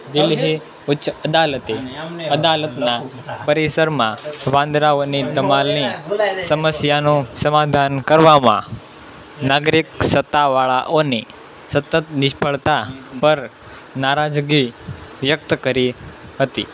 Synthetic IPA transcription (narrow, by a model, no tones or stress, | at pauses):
d̪ilɦi | utːʃəəd̪alət̪eəd̪alət̪na | pəɾesəɾmãʋãnd̪ɾaonid̪əmalnĩsəməsjanũsəmad̪ʱankəɾʋamã̰ | naɡɾik̚sət̪ːaʋaɭa̰ʔoni | sət̪ət̪niɕpʰəɭt̪apəɾ | naɾad͡ʒɡiʋjək̚t̪əkəɾiɦət̪ḭ